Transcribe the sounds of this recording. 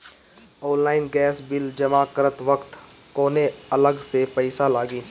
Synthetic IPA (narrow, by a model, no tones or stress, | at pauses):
oːnlaːɪnɡɛːsbɪld͡ʒəmakəɾət̪ʋəkt̪ | koːneɐləɡsepɐɪsalaːɡiː